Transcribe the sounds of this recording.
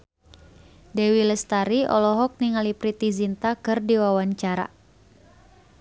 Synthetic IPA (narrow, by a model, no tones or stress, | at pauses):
dɛwiləst̪aɾiʔɔ̰lɔɦɔk̚niŋalipɾit̪izint̪akɨrdiwawaɲt͡ʃaɾa̰